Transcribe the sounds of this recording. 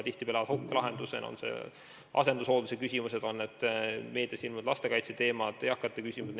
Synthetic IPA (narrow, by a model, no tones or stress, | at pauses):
t̪iht̪ipelɑvɑt̪hokːelɑɦe̞nd̪use̞̰no̰nse̞̰ | ʔɑ̰se̞nd̪̥uso̞ːd̪̥usekysʲimuse̞d̪̥o̞nːet̪ːˑme̞ːd̪iɑsilmud̪̥lɑst̪e̞kɑjt̪set̪e̞ːmɑd̪̥ejɑkːˑɑt̪ːekysʲimud̪n